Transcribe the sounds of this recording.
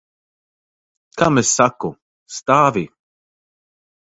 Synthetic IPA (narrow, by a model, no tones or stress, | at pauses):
kɐmɛsːakːʊ | st̪aːvi